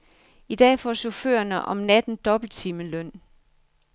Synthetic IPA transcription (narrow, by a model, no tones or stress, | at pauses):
id̥ɛ̰ːfɒ̰ːɕo̝fø̰ːɐnəʔɒ̽mnæd̥n̩d̥ɒ̽b̥l̩t͡sʰiməlœn̰